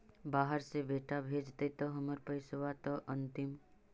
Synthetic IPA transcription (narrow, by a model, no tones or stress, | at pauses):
baːɦəɾsebeːʈabʱeːd͡ʒt̪ət̪ɔɦəməɾpəjsʊʋat̪ɔʔɐ̃nt̪ɪm